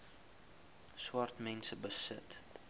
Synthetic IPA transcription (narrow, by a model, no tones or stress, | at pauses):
swɐrtmɛnsəbəsət